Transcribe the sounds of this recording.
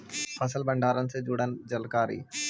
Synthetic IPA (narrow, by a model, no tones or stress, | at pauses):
əsəlbə̃ɳɖaːɾənsed͡ʒʊːɽənd͡ʒəlkaːɾḭː